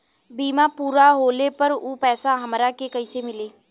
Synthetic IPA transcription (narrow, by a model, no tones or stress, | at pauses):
biːmapuːɾaɦoːlepəɾupɛːsaɦɐmɾakekəisemɪleː